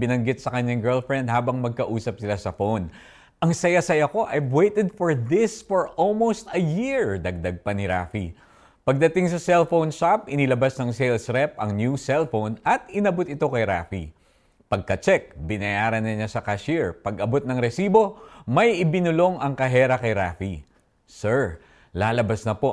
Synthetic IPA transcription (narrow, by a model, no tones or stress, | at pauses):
bɪnɐŋɡɪt̪sɐkɐɲaŋɡɛɹlfɹɛnd̪̚haːbɐŋmɐɡ̚kɐʔuːsɐp̚sɪlasɐfown | ʔɐŋsɐjasɐjɐko̞ʔɐjwejt̪ɛd̪̚foɹðɪsfoɹʔolmowst̪ɐjiɹd̪ɐɡ̚d̪ɐɡ̚pɐnɪɾa̰ːfḭ | pɐɡ̚d̪ɐt̪iŋsɐsɛlfownʃapɪnɪlɐbasnɐŋsejlsɾɛpɐŋnjusɛlfownɐt̪ɪnɐbot̪̚ɪt̪o̞kɐjɾaːfḭ | pɐɡ̚kɐt͡ʃɛk̚bɪnɐjaːɾɐnːɐɲasɐkɐʃiɹpɐɡɐbot̪̚nɐŋɾɛsiːbo̞mɐjʔɪbɪnʊlo̞ŋɐŋkɐɦɛːɾɐkɐjɾaːfi | sɛɹ | laːlɐbɐsnɐpo̞